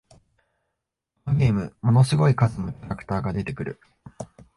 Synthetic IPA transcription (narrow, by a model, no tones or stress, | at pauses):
paːɡe̞ːmɯ̟mo̞no̞sɨɡo̞ikazɨno̞kʲaɾakɯ̥t̪aːɡad̪e̞t̪e̞kɯ̟ɾɯ̟̰